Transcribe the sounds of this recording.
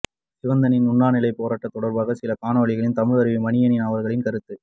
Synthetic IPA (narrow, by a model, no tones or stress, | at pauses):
sɪʋɐnd̪ɐnɪnʊɳːaːnɪlɐɪpːoːɾaːʈːɐt̪ːɔɽɐɾbaːɣɐsɪlɐkaːɳɐʋɐɭɪɣɐɭɪnt̪ɐmɪɻɐɾɯʋimɐɳɪjɐnɪnaːʋɐɾɣɐɭɪnkɐɾɯt̪ːɯ